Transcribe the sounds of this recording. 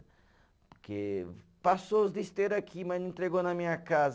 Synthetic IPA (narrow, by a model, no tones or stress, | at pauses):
pʊɾkḛ | pasozd̪ist̪eɾɐkʰimɐ̃nẽnt̪ɾeɣonɐmĩɲɐkaz